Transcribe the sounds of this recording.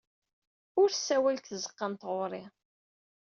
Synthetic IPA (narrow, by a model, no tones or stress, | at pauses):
ʊɾsːæwælt̪θəzəqːɑnt̪ʁʊɾˤɪ